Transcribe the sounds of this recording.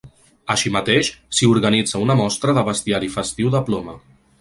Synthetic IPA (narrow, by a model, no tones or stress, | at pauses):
əʃimət̪eʃsiuɾɣənid͡zəunəmɔst̪ɾəðəβəst̪iaɾifəst̪iwðəplomə